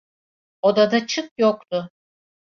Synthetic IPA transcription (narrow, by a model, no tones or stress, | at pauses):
od̪ad̪at͡ʃʰɯk̚jok̚t̪ʰʊ